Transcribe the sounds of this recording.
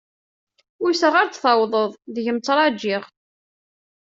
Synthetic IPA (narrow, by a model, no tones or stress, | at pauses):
ʊjsəʁaɾt͡sθɑwðˤəðˤðəʝəmt͡sːɾˤɑd͡ʒːiʁ